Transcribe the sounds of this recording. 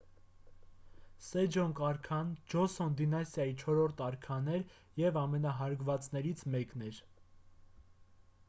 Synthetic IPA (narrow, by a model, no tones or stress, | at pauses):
sɛd͡ʒɔnkɑɾkʰɑnd͡ʒɔsɔnd̪inɑsjɑjit͡ʃʰɔɾɔɾt̪ʰɑɾkʰɑnɛɾ | jɛvɑmɛnɑɦɑɾɡvɑt͡snɛɾit͡sʰmɛknɛɾ